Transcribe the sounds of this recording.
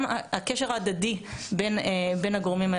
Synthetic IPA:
maakeʃeʁaːd̪adibenebenaɡoʁmima

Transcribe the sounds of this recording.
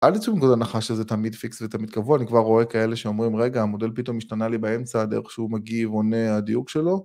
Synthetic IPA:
ʔald̪it͡suvimɡod̪alnaχaʃezet̪amid̪fiksvet̪amid̪̚kavuaːnikvaʁo̞e̞kae̞le̞ʃeomʁimʁeɡaːmode̞lpit̪o̞miʃtanalibae̞mt͡sad̪eʁeχʃeumaɡivonead̪ijuɡʃelo̞

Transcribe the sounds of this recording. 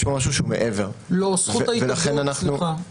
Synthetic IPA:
ʃmomaʃ̬uʃeumeʔeve̞ʁlosχuvaiveaχenanaχnua

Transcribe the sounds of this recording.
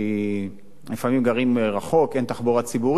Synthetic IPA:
lifamimɡaʁimʁaχo̞kent̪aχboʁat͡sibuʁ

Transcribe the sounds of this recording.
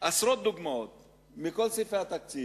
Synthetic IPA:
asɾot̪̚d̪uɡmaot̪ | mikolsifeat̪ak̚t͡si

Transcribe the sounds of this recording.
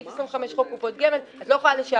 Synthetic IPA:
fesʁimveχameʃχokːupot̪̚ɡemelatloχaleʃa

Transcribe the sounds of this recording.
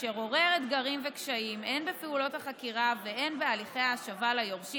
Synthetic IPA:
ʃeʁoʁeʁet̪ɡaʁimvekʃaimenbepeulo̞t̪haχakiʁaveʔe̞nbealiχe̞jaːʃavalajo̞ʁʃi

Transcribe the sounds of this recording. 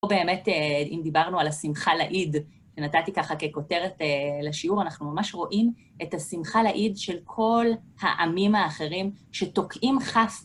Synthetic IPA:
obe̞ːme̞teimd̪ibaʁnualasimχalaʔid | ʃenatatikaχake̞ko̞te̞ʁeteleʃiuʁanaχnumamaʃʁo̞ʔim | ʔetasimχalaʔidʃe̞lkʰo̞lhaʔamimhaːχe̞ʁimʃe̞to̞kʰʔimχaf

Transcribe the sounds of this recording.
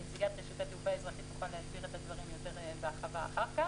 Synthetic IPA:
t͡siɡat̪ʁeʃutat̪ufaezʁaχitmuχalehaʃbiʁe̞tadvaʁimjo̞te̞ʁbeaχava̰ːχaʁka

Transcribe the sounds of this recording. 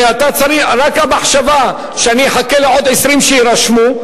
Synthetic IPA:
eat̪at͡saʁiχɾakamaħʃava | ʃeanieħakeleʕo̞d̪ʕesʁimʃeiɾaʃmu

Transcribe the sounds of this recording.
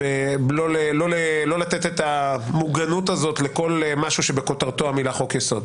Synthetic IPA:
elolelo̞lelo̞lat̪et̪et̪amuɡanut̪azo̞t̪leko̞lemaʃuʃebeko̞t̪aʁt̪oamilaχo̞kjaso̞d̪

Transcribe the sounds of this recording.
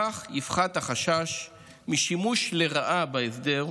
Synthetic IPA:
aχjifχathaχaʃaʃ | miʃimuʃleʁaʔabaesd̪eʁ

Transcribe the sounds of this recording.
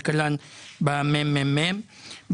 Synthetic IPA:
kəlanbamɛmːɛ̃mːɛm | b

